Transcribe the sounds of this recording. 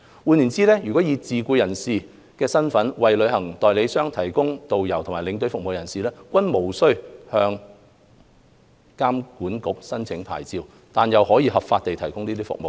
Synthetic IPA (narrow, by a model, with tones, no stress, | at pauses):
wuː˨˧ni˨˩nt͡siː˥lɛː˥jyː˨kɔː˨˥jiː˨˧t͡siː˨kuː˧jɐ˨˩nsiː˨ | kɛː˧sɐ˥nfɐ˨˥nwɐ˨jlɵ˨˧ɥɦɐ˨˩ŋt̪ɔː˨jle˨˧jsœː˥ŋt̪ʰɐ˨˩jkʊ˥ŋt̪o˨wjɐ˨˩wtʰʊ˨˩ŋmaː˨˩lɪ˨˧ŋt̪ɵ˧ɥfʊ˨k̚mo˨wjɐ˨˩nsiː˨lɛː˥kʷɐ˥nmo˨˩wsɵ˥ɥhœː˧ŋ | kaː˥mkuː˨˥nkʊ˨˥k̚sɐ˥nt͡sʰɪ˨˥ŋpʰa̰ː˨˩jt͡siː˧w | t̪aː˨njɐ˨whɔː˨˥jiː˧hɐ˨pfaː˧t̚t̪e˨jt̪ʰɐ˨˩jkʊ˥ŋniː˥t̪iː˥fʊ̰˨k̚mo˨w